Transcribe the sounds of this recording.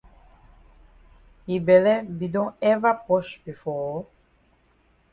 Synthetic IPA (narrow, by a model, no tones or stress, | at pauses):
ibɛlɛbid̪ɔ̃ɛvapɔʃbifɔː